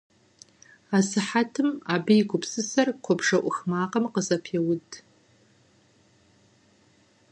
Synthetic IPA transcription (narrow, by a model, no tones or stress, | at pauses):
aːsɨħatʰɨmaːbijɡʷʊpsɨsɐrqʷʰɔbʂɐʔʷʊxmaːqɐmqəzɐpʰeːwʊdʰʼ